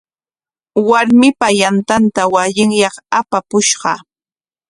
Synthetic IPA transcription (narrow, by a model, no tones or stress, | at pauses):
waɾmɪpajant̪ant̪awaʎɪŋjɑχapapʊʃɢɑ̰